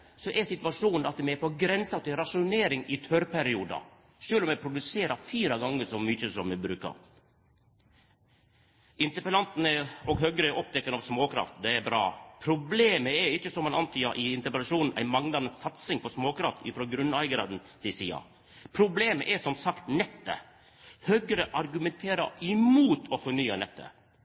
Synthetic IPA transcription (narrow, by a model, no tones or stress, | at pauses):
sɔʔɛsɪt̪ʋɑʂuːnn̩ɑt̪mɛɛɾpɔɡɾɛnsɑt̪ɪɾɑʂʊneːɾɪŋɪt̪ʰœɾpʰæɾɪuːd̪ɑ̰ | ʂøːlɔmɛpʰɾʊd̪ʉseːɾɑfiːɾɑɡɑŋːəsɔmyçəsɔmmɛbɾʉ̰ːkɑ̰ɾ | ɪnt̪əɾpəlɑnt̪nəɔɡɦœɡɾəʔɔp̚t̪ɛkːənɑʋsmoːkʰɾɑ̰ft̪d̪ɛɛɾbɾɑ̰ːpʰɾʊbleːməɛɾɪçːəsɔmɑnɑnt̪ʰyːɑʔɪɪnt̪əpəlɑʂuːnn̩ʔæ̰ɪmɑŋnɑnəsɑt̪sɪŋpʰɔsmoːkʰɾɑft̪ɪ̰fɾɔːɡɾʉnæɪɡɾɑ̰ːd̪n̩sɪsiːɑ̰ | pʰɾʊbleːməʔɛʂɔmsɑkt̪nɛt̪ːə̰ | høɡəɾəʔɑɾɡʉmɛnt̪ʰeːɾɑ̰ɪmuːt̪ʰɔfɔɳyːɑnɛt̪ːə̰